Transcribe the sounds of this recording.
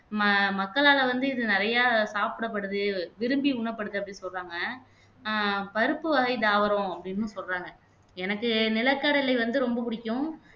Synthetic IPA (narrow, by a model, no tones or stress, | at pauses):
mmɐkːɐɭaːlɐʋɐnd̪ɯɪðɯnɪɾɐjaːsaːpɯɽɐp̬ːɐɽɯðɯʋɪɾɯmbiʊɳɐpːɐɽɯðɯɐp̬ːɐɽɪnsɔlraːŋɡɐ | pɐɾɯpːɯʋɐɣɐɪd̪aːʋɐɾõɐpːɐɽɪnːɯsɔlraːŋɡɐ | ɛnɐkːɯnɪlɐkːɐɽɐlɐɪʋɐnd̪ɯɾɔmbɐpʊɽɪkʲːʊ̃